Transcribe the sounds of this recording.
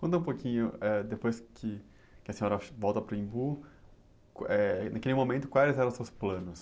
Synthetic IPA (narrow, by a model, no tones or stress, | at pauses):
kʷõnt̪ɐ̃ũpokʰĩɲʊɛd̪epojskʰɪ | kʲɪɐsẽɲɔɾɐvɔwt̪ɐpɾʊĩbu | ɛnakelɪmomẽnt̪ʊ̥kwajɪzɛɾɐ̃w̃sewsplɐ̃nʊs